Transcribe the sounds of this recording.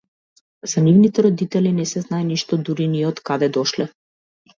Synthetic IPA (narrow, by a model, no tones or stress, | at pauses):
z̥anivnit̪ɛɾɔd̪it̪ɛlinɛsɛznaɛniʃt̪ɔd̪uɾiniɔt̪kad̪ɛd̪ɔʃlɛ